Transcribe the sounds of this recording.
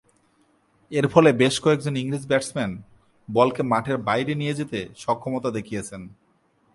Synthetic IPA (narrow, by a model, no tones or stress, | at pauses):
eɾfɔlebeʃkɔek̚d͡ʑoniŋɾid͡ʑbɛʈsmɛn | bɔlkemaʈʰeɾbajɾenijed͡ʑet̪eʃɔkʰːɔmot̪ad̪ekʰijet͡ɕʰen